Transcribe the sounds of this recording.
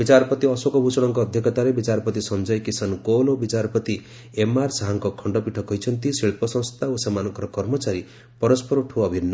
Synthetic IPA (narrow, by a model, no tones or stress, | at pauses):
bit͡ʃaɾɔpɔt̪iɔsokɔbʱut͡ʃɔɽ̃ɔŋkɔːd̪ʱjɔkɔt̪aɾebit͡ʃaɾɔpɔt̪isɔnd͡ʒɔjkisankolobit͡ʃaɾɔpɔt̪i | emaɾsaɦaŋkɔkʰɔɳɖɔpiʈʰɔkɔɦjt͡ʃʰɔnt̪isiɭpɔsɔ̃ŋ̃st̪ʰaosemanɔŋkɔɾɔkɔɾmɔt͡ʃaɾi | pɔɾɔspɔɾuʈʰuɔbʱinːɔ